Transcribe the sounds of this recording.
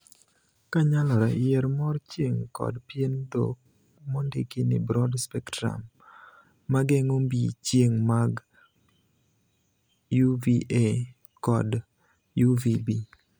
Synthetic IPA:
kaɲalɔɾɛjɛɾmɔrt͡ʃjeŋkɔ̰dpjendo̰k̚ | mondɪkinɪ̰bɾɔdspɛktɾa̰mː | aɡeŋombḭt͡ʃjeŋmaɡ | juviʔe | kɔ̰d | juvibi

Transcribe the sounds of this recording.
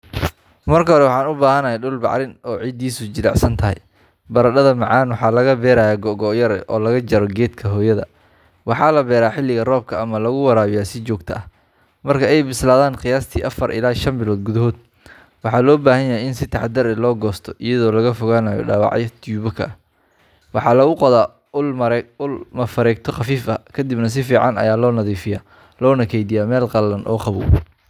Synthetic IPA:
mɐrkʰɐɦɔɾɛwɑħɑːnʊbaːhɐnɐjɛɖʊlbɑ̰ʕɾɪnɔːʕid̪iːsʊd͡ʒɪlɑ̰ʕsɐnt̪ʰɐɦɛ̰j | bɐɾɐɗɐðɐmɑʕɑːnwɑħɑːlɐɣɐbɛːɾaːjaːɡɔʔɡɔːʔjɐɾɛ̰ʔɔ̰ːlɐɣɐd͡ʒɐɾɔɡɛːd̪kʰɐɦɔːjɐðɐ | wɑħɑːlɐbɛːɾaːħɪlːɪɣɐrɔːb̚kʰɐʔɐmɐlɐɣʊwɐɾaːβɪjaːsɪt͡ʃɔːɡt̪ʰɐɐh | mɐrkʰɐɛjbɪslaːðaːnqɪjaːst̪ʰiːʔɐfɐrʔɪ̰laːʃɐnbɪlɔːd̪̚ɡʊðɐɦɔːd̪̚ | wɑħɑːlɔːbaːhɐjɐɦɛjɪnsɪt̪ʰɑħɑd̪ɐɾɛlɔːɡɔːst̪ʰɔʔɪjɐðɔːlɐɣɐfʊɣaːnaːjɔ̰ɖaːwɑ̰ʕjɐt̪ʰuːβɔkʰɐ̰ | wɑħɑːlɐɣʊqɔðaː | lʊlmɐfɐɾɛːkt̪ʰɔχɑfiːfɐkʰɐd̪ɪbnɐs̬ɪfiːʕɑnɐ̰jaːlɔːnɐðiːfɪja | lɔːnɐkʰɛjd̪ɪjaːmɛːlqɑlːɐnʔɔ̰ːqɑβṵː

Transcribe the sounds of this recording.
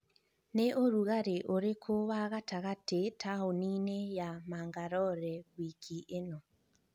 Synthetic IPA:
neʔoɾuɣaɾeʔoɾekʰoβaɣataɣatetaoninejamaːŋɡaɾɔɾɛɣwikʰiʔenɔ

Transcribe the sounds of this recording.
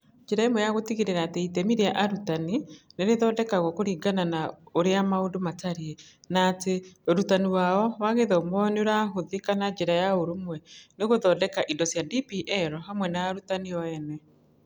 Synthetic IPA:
d͡ʒeɾaemwɛjaɣotiɣiɾeɾaːteitɛmiɾeaʔaɾutanineɾeðɔːdɛkaɣɔkoɾiːɡananaoɾeamaondomataɾiɛnaːteoɾutaniwaɔwaɣeðɛomɔneoɾaɦoðekanad͡ʒeɾajaoɾomwɛneɣoðɔːdɛkaʔidɔsjadipiʔɛɾɔɦamwɛnaːɾutaniɔɛnɛ

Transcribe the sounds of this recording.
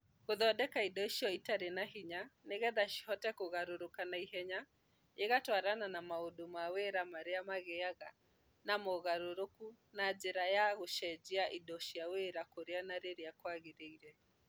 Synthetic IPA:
koðɔdɛkaidɔʃiɔitaɾenaɦiɲaneɣɛðaʃi̥hɔtɛkoɣaɾoɾokanaiɦɛɲa | eɣatwaɾananamaodomaweɾamaɾeamaɣɛaɣa | namoɣaɾoɾoku | nad͡ʒeɾajaɣoʃɛd͡ʒiaʔidɔʃiaweɾakoɾeanaɾeɾeakwaɣeɾeiɾɛ

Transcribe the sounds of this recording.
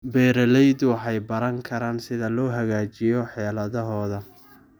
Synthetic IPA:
bɛːɾɐlɛjd̪wɑħɑjbɐɾɐŋkʰɐɾaːnsɪðɐlɔːɦɐɣaːt͡ʃɪjɔħɛːlɐðɔɦɔːðɐ

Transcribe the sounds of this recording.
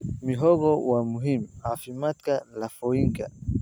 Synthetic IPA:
miɦɔɣɔwamuɦimhafimat̪kalafɔiŋɡa̰

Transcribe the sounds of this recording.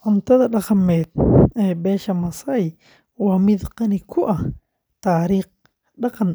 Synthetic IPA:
ʕʊmt̪ʰɐðɐɗɑqɐmɛːd̪̚ɛːbɛːʃɐmɐsɐj | wɐmɪd̪qɑnɪkʰʊʔɐ | t̪aːɾiːq̚ | ɗɑqɑn

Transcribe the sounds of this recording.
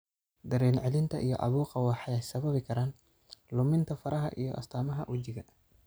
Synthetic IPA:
d̪ɐɾɛːnʕɛlɪnt̪ʰɐʔijɔ̰ʔɑ̰βuːqɑwɑħɑjɛjsɐβɐβɪkʰɐɾaːn | lʊmɪnt̪ʰɐfɐɾʔɐɦɐ̰ʔijɔ̰ʔɐ̰st̪ʰaːmɐɦɐʔwʊt͡ʃɪɣɐ

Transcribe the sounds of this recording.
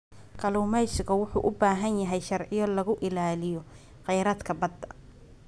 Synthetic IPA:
kʰɐluːmɛjsɪɣɐwʊħṵːʔʊbaːɦɐnjɐɦɛjʃɐrʕɪjɔlɐɣʊʔɪlaːlɪjɔ | qɛjɾaːd̪kʰɐbɐd̪ɐ

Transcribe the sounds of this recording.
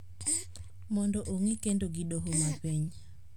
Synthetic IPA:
mɔndɔʔoŋikendoɡidoɦomapiɲ

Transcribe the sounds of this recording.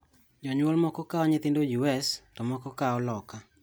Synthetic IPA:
d͡ʒɔɲwolmɔkɔkaɔɲɪt̪ɪndojuɛstɔmɔkɔkaɔlɔka

